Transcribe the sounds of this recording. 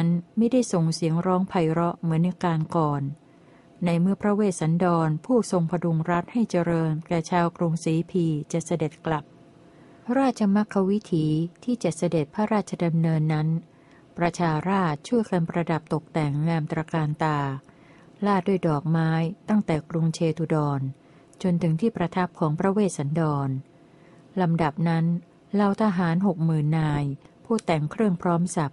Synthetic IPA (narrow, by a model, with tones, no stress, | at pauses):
a˦˥nma˥˩jda˥˩jso˨˩ŋsi˩˦əŋɾɔː˦˥ŋpʰa˧jɾɔ˦˥ʔmɯ˨˩˦ənʔa˧kaː˧nkɔː˨˩nː | a˧jmɯ˥˩əpʰɾa˦˥weː˥˩t̪̚sa˩˦ndɔː˧npʰuː˥˩so˧ŋpʰa˧du˧ŋɾa˦˥t̪̚ha˥˩jt͡ɕa˧ɾɤː˧nkɛː˨˩t͡ɕʰaː˧wkɾu˧ŋsiː˨˩˦pʰiː˧t͡ɕa˨˩sa˧de˨˩t̪̚kla˨˩p̚ | ɾaː˥˩t̪̚t͡ɕʰa˧ma˦˥kʰːa˦˥wi˦˥t̪ʰiː˩˦t̪ʰiː˥˩t͡ɕa˨˩t̪̚sa˧de˨˩t̪̚pʰa˥˧ɾaː˥˩t̪̚t͡ɕʰa˧da˧mnɤː˧nːa˦˥n | pɾa˧t͡ɕʰaː˧ɾaː˥˩t̪̚t͡ɕʰu˥˩jka˧npɾa˧da˨˩p̚t̪o˨˩k̚t̪ɛ˨˩ŋːaː˧mt̪ɾaː˧kaː˧nt̪aː˧ | laː˥˩t̪̚du˥˩əjdɔː˨˩k̚maː˦˥jt̪a˥˩ŋt̪ɛː˨˩klu˧ŋt͡ɕʰeː˧t̪ʰu˧dɔː˧n | t͡ɕo˧nt̪ʰɯ˩˦ŋt̪ʰiː˥˩pɾa˧t̪ʰa˦˥p̚kʰɔː˩˦ŋpʰɾa˦˧˥weː˥˩t̪̚sa˩˦ndɔː˧n | la˧mda˨˩p̚na˦˥n | la˧wt̪ʰa˧ɦaː˩˦nɦo˨˩k̚mɯː˨˩nːaː˧jpʰuː˥˩t̪ɛ˨˩ŋkʰɾɯ˥˩əŋpʰɾɔː˦˥msa˨˩p̚